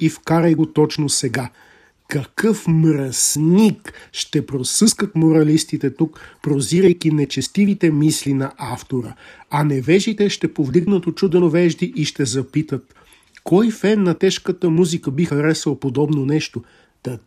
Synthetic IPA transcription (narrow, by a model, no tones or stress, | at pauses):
ifkaɾəjɡot̪ɔt͡ʃnosɛɡa | kɐkɤfmɾɐsnikʃt̪ɛpɾosɤskət̪moɾɐlist̪it̪ɛt̪ukpɾoziɾəjkinɛt͡ʃɛst̪ivit̪ɛmislinɐʔaft̪oɾəɐnɛvɛʒit̪ɛʃt̪ɛpovd̪iɡnət̪ot͡ʃud̪ɛnovɛʒd̪iʔiʃt̪ɛzɐpit̪ət̪ | kɔjfɛnːɐt̪ɛʃkət̪əmuzikəbixɐɾɛsvəlˠpod̪ɔbnonɛʃt̪o | d̪̥ɐ